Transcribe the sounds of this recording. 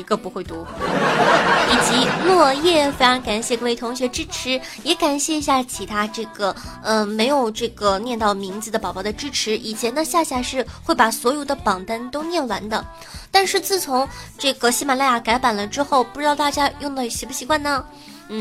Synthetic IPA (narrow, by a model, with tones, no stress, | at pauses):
i˧˥ɡə˧pu˧˥xwe˥˩ɪt̪u˧˥ | i˨˩t͡ɕi˧˥lwɔ˥˧jɛ˥˩fe˥ɪʈ͡ʂɑ˧˥ŋka˨˩nɕjɛ˥˩kʰɤ˥˩e˥˩ɪt̪ʰʊ˧˥ŋɕɥɛ˧˥ʈ͡ʂɻ̩˥ʈ͡ʂʰɻ̩˧˥ | jɛ˧˥ka˨˩nɕjɛ˥˩i˧˥ɕja˥˩t͡ɕʰi˧˥t̪ʰa˥ʈ͡ʂɤ˥˩ɡə˩ə˧me˧˥ɪjo˨˩ʊʈ͡ʂɤ˥˩ɡə˩njɛ˥˧nt̪ɑ˥˩ʊmi˧˥ŋd͡zɹ̩˧d̪ə˩pɑ˨˩ʊpɑ˥˩d̪ə˧ʈ͡ʂɻ̩˥ʈ͡ʂʰɻ̩˧˥ʔi˨˩t͡ɕʰjɛ˧˥nd̪ə˧ɕja˥˧ɕja˥˧ʂɻ̩˥˧xwe˥˩ɪpa˨˩swɔ˧˥jo˨˩ʊd̪ə˦pɑ˨˩ŋt̪ə˥nt̪o˥ʊnjɛ˥˩nwa̰˧˥nd̪ə˧ | t̪a˥˧nʂɻ̩˥˧t͡sɹ̩˥˩t͡sʰʊ˧˥ŋʈ͡ʂɤ˥˩ɡə˩ɕi˥ma˨˩la˥˩ja˨˩ka˧˥ɪpa˨˩nlə˦ʈ͡ʂɻ̩˥xo˥˩ʊpu˥˩ʈ͡ʂɻ̩˧˥t̪ɑ˥˧ʊt̪a˥˧˩t͡ɕja˥jʊ˥˩ŋd̪ə˧˩˧ɕɛ˧˥pu˥˩ɕi˧˥kwa˥˩nnə˩ | n̩˥˩